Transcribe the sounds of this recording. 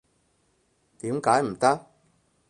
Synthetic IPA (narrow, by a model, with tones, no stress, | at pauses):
t̪iː˨˥mkaː˨˥jm̩˨˩t̪ɐ˥k̚